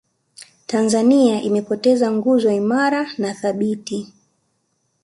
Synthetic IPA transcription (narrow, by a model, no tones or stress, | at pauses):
tanzaniaʔimɛpɔtɛzaŋɡuzɔaimaɾanaθaɓiti